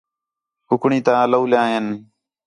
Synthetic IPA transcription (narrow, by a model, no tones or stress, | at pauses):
ʊkʰɳĩːt̪ãːləuːljãːɦen